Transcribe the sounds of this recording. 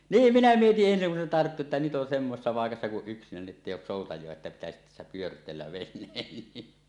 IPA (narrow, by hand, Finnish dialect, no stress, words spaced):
niːm minæ mietiʔ ʔensiŋ kun se tɑrtːu etːæ nyt ʔon semːosesːɑ pɑˑekɑsːɑ kuʔ ʔyksinæni etːeˑij oˑus soˑutɑjˑoɑ etːæ pitæsit tæsːæ pyørtˑeːlːæ ʋenˑeːn ni